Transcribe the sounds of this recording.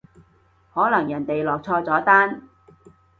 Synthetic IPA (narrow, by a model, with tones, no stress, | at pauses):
hɔː˨˥lɐ˨˩ŋjɐ˨˩nt̪e˨jlɔː˨k̚t͡sʰɔː˧t͡sɔː˨˥t̪aː˥n